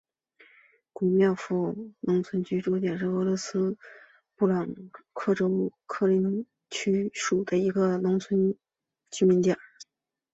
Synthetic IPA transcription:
kwu˨˩mjɑ˥˧ʊfu˥˩nʊ˧˥ŋt͡sʰwə˥nt͡ɕʰy˥ʈ͡ʂu˥t͡ɕ̪jɛ˨˩nʂ̬ɻ̩˥˩ɤ˧˥lwɔ˧˥sɹ̩˥ | pu˥˩lɑ˨˩ŋkʰɤ˥˩ʈ͡ʂo˥ʊkʰɤ˥˩li˧˥n | t͡ɕʰy˥ʂu˨˩d̪ə˦i˧˥ɡə˧nʊ˧˥ŋt͡sʰwə˧˥n | t͡ɕʰy˥mi˧˥nt̪jɑ˥˨˩

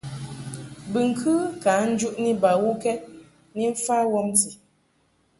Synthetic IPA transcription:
bɨ˨ŋ̩˨kʰɨ˦ka˨˦n̩˦d͡ʒu˦ʔni˦ba˨wu˦kɛ˦t̚ | ni˦ɱ̩˦fa˦wɔ˦mti˨

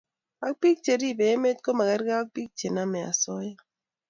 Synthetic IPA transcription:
a˦k̚pi˦k̚t͡ʃe˨ɾi˦˨be˨˦me˦t̚ko˦ma˨kɛ˦ɾɡa˦a˦k̚pi˦k̚t͡ʃe˨na˦mɛ˨a̰˨sɔ˦ja˦

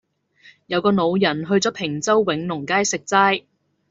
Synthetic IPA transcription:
jɐ˨˧wkɔː˧no˨˧wjɐ˨˩nɦɵ˧ɥt͡sɔː˨˥pʰɪ˨˩ŋt͡sɐ˥wːɪ˨˥ŋnʊ˨˩ŋkaː˥jsɪ˨k̚t͡saː˥j

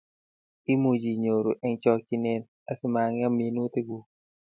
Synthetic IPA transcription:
i˦mu˨d͡ʒi˨ɲo˨ɾo˨ʔɛ˦ŋt͡ʃɔ˦k̚t͡ʃi˦nɛ˨n | a˦sɪ˦ma˨ŋja˦mi˨nu˦t̪e˦ɡu˨

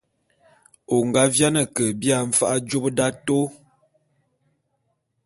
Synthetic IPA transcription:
o˨ŋɡa˦vja˦nə˨kə˨bja˦˨ɱ̩˨fa˦ʔa˦d͡ʒo˦bda˦to˦

